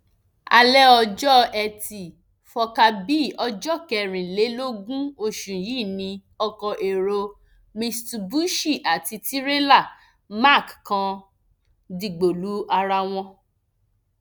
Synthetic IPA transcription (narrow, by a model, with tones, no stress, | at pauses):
a˧lɛ˦ɔ˧d͡ʒɔ˦ɛ˧ti˨ | fɔ˧ka˧bi˦˨ɔ˧d͡ʒɔ˦˨kɛ˧˨ɾ̃ĩ˨le˨˦lo˦ɡũ˦o˧˨ʃũ˨ji˦˨nĩ˧ | ɔ˧kɔ˧ʔe˨ɾo˧ | mĩ˧stu˧bu˦ʃi˦˨ʔa˨ti˧ti˦ɾe˦la˦˨ | ma˦˨kkã˧ | di˨ɡ͡bo˨lu˨˦a˧ɾa˧w̃ɔ̃˧